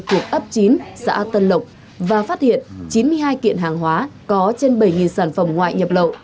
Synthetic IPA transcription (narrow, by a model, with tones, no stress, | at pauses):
t̪u˨˩ək̚ʔə˦˥p̚t͡ɕi˨˦nsa̰ː˧˥t̪ə˧nlə˨˩wk͡p̚ | vaː˨˩faː˦˥t̚hḭ˧˨ənt͡ɕi˨˦nmɨ˧əjɦaː˧jkḭ˧˨ənɦaː˨˩ŋɦwaː˨˦kɔ˨˦t͡ɕe˧nɓə˧˩jŋi˨˩nsaː˧˩nfə˧˩mŋwa̰ː˧˨jɲə˨˩p̚lə̰˧˨ʔ